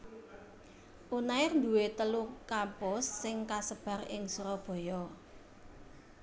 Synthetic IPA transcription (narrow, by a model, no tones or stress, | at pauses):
ʔunaɪrnd̪uwet̪əlukampʊsːɪŋkasəb̥ä̤rɪŋsuɾɔb̥ɔ̤jɔ